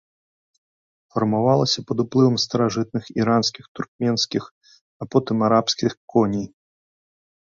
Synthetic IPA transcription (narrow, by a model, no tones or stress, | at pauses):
fɐrmavalˠɐsʲɐpɐd̪uplˠɨvɐmst̪ɐɾaʐɨt̪̚nɨxiɾanskʲixt̪urk̚mʲɛnskʲix | apɔt̪ɨmaɾapskʲixkɔnʲij